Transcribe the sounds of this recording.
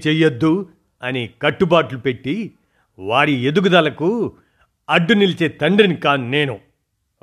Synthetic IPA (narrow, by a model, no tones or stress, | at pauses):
t͡ʃɛjːɐd̪ːu | ɐnikɐʈːubaːʈlupeʈːi | ʋaːɽied̪uɡud̪ɐlɐku | ɐɖːunilit͡ʃeːt̪ɐɳɖinikaːneːnu